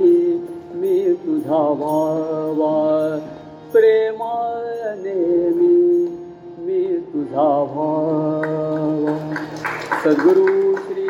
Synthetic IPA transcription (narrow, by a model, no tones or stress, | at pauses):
imisud̪ʱaːʋaːʋaː | pɾeːmanemi | misud̪ʱaːʋaː | ʋa | sɐd̪ɡuɾusɾi